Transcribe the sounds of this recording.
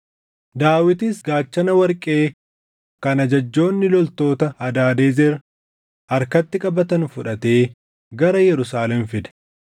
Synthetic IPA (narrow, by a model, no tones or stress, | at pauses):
d̪aːwɪt̪ɪsɡaːt͡ʃːɐnɐwɐɾkʼe̞ː | kɐnɐd͡ʒɐd͡ʒːo̞ːnːɪlɔlt̪o̞ːt̪ɐɐd̪aːd̪eːzɛɾ | ɐɾkɐt̪ːɪkʼɐbɐt̪ɐnfʊᶑɐt̪e̞ː | ɡɐɾɐjɛɾʊsaːlɛmfɪd̪ɛ̥